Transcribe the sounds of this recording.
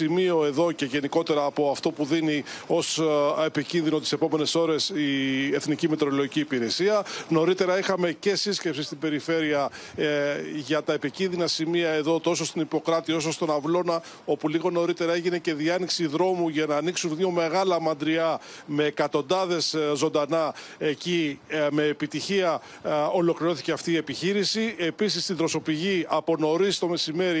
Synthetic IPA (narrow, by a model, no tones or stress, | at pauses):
imio̞e̞ðo̞ce̞ʝe̞niko̞t̪e̞ɾɐːpo̞ɐft̪o̞puðinio̞se̞picinðino̞t̪ise̞po̞me̞ne̞so̞ɾe̞sie̞θnicimet̪ɾoloʝiciːpiɾe̞siɐno̞ɾit̪e̞ɾɐixɐme̞ce̞sisce̞psist̪ibe̞ɾife̞ɾiɐ | ʝɐt̪ɐe̞picinðinɐsimiɐe̞ðo̞t̪o̞sost̪inipo̞kɾɐt̪io̞sost̪o̞nɐvlo̞nɐ | o̞puliɣo̞no̞ɾit̪e̞ɾɐeʝine̞ce̞ðiɐniksiðɾo̞muʝɐnɐːniksunðio̞me̞ɣɐlɐmɐnd̪ɾiɐme̞ːkɐt̪o̞nd̪ɐðe̞szo̞nd̪ɐnɐecime̞ːpit̪içiɐ | o̞lo̞kliɾo̞θi̥ce̞ɐft̪iːe̞piçiɾisie̞pisist̪id̪ɾo̞so̞piʝiɐpo̞no̞ɾist̪o̞me̞sime̞ɾi